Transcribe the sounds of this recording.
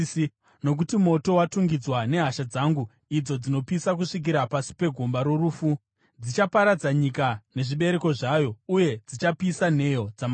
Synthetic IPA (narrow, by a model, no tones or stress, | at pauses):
no̞k̬utimo̞to̞watuŋɡid͡zwane̞ɦaʃad͡zaŋɡu | id͡zo̞d͡zino̞pisak̬uʂik̬iɾapasi̥pe̞ɡʱo̞mbaɾo̞ruːfu | d͡zit͡ʃapaɾad͡zaɲikane̞ʐiɓe̞ɾe̞ko̞ʐajo̞uje̞d͡zit͡ʃapiːsan̤e̞jo̞d͡zama